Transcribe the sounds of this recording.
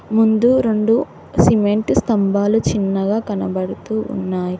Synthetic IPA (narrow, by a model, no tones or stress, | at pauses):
mund̪uɾe̞ɳɖu | simeɳʈst̪ɐmbʱaːlut͡ʃinːɐɡaːkɐnɐbɐɽut̪uːṵnːaːji